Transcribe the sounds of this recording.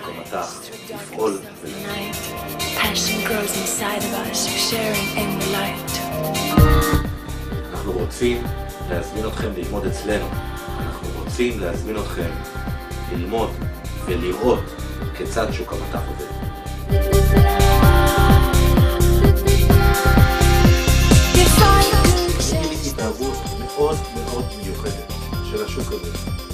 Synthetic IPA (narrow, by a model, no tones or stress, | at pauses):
ukamataχ | ifʔo̞l | veliaɪtpʰæʃɨ̃nɡɹoʊzɪ̃nsaɪɾʌvʌsʃɛɹɪ̃ŋɪ̃nəlaɪt | anaχnuʁot͡sim | le̞hazmino̞t̪χe̞mlilmo̞d̪et͡sle̞nu | anaχnuʁot͡simlehazmino̞t̪χe̞m | lilmo̞d̪veliʁo̞t̪ | ket͡sadʃukamataχoved | jefaj | iliitavut̪ | me̞ʔo̞dme̞ʔo̞d̪mejuχe̞d̪et | ʃelaʃukaze